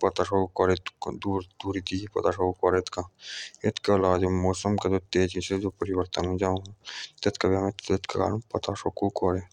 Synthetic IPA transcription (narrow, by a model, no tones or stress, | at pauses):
pɐt̪aʃokɔɾet̪d̪uːɾd̪̥uːɾid̪iipɐt̪aʃokukɔɾet̪kaɪt̪ʰkelaːd͡ʒmoːsəmked̪ot̪eːd͡ʒised͡ʒoːpəɾɪbəɾt̪ənõd͡ʒaːɦt̪et̪ʰkɐbiɐmeet̪keka̰ːɾənpɐt̪aʃokukɔɾeː